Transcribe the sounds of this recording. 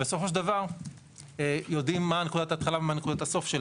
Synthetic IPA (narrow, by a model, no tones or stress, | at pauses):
beso̞fo̞ʃdavaʁ | ejo̞dimːane̞kud̪ataːt̪χalavemaːnekud̪ataso̞fʃel